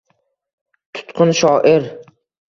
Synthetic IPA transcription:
t̪ʰʊ̥t̪qʰʊnʃɒːʔɪɾ

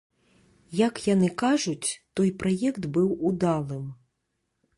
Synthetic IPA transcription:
jɐkjanɨkaʐut͡sʲt̪ɔjpɾajɛkt̪bɨwud̪alˠɨm

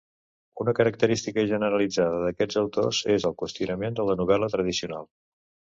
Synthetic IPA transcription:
unəkəɾək̚t̪əɾist̪ikəʒənəɾəlid͡zaðəðəkɛd͡zəwt̪ozezəlˠkust̪junəmend̪ələnuβɛlət̪ɾəðisiuna̰lˠ

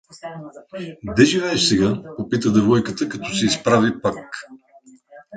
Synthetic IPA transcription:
d̪ɛʒivɛɛʃsɛɡaopit̪əd̪ɐvɔjkət̪əkɐt̪ɔsɛispɾavipak

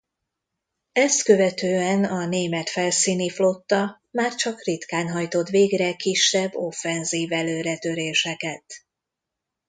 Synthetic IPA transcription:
ɛst̪kø̞vɛt̪øːɛnɒneːmɛt̪fɛlsiːniflo̞t̪ːɒ | maːrt͡ʃɒkrit̪kaːnɦɒjt̪o̞t̪ʋeːɡrɛkiʃːɛbːo̞fːɛnziːvɛløːɾɛt̪ø̞ɾeːʃɛkɛt̪

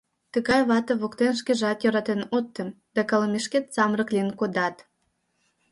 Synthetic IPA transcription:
t̪ə̆ɣɑjβɑt̪ɤβokt̪enʃkeʒɑt̪jøɾɑt̪enot̪ːə̆m | d̪̥ɑkɑlɤmeʃket̪t͡sɑmrə̆klʲinkod̪ɑt̪

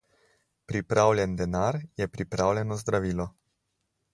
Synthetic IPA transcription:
pɾipɾaːwlʲjɛnd̪ɛnaɾjɛpɾipɾaːwlʲɛnɔzd̪ɾaʋiːlɔ

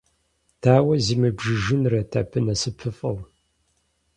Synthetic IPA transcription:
tʰaːwɐziːmɨbʒɨʒɨnrɐtʰa̰ːpʰɨnɐsɨpʰɨfʼɐw

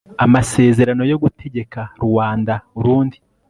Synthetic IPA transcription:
amase̞ːze̞ɾano̞jo̞ɡutʰe̞ɟe̞kaɾuwaːndauɾuːndi

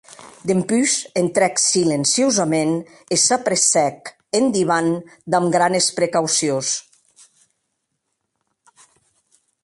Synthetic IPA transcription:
d̪empyzent̪ɾɛksilensiozamen | esapɾesɛk | end̪iβand̪amɡɾanespɾekawsios

